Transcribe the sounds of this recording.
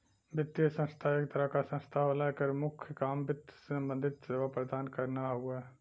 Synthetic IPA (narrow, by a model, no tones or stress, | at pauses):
bɪt̪ːjəsə̃nst̪ʰaeːkt̪əɾəkasə̃nst̪ʰalakəɾmʊkʰjəkaːmbɪt̪sebə̃nd̪ɪd̪seʋapɾəd̪aːnkəɾnaɦueː